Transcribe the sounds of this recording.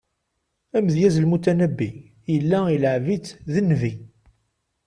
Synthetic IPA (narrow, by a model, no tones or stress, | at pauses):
æməðjæzəlmut̪ænəbːi | jəlːæiləʕvit͡sːðənːvi